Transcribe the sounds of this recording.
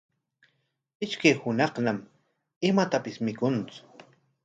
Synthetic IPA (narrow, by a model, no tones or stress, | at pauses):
ɪʃkajhʊnɑχnam | ɪmat̪apɪsmɪkʊnt͡sʊ̥